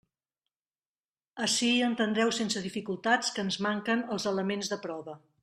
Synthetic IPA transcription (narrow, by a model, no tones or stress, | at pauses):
əʃiənt̪ənd̪ɾɛwsensəðifikulˠt̪at͡skəːnzmaŋkənəlˠzələmenzðəpɾɔβə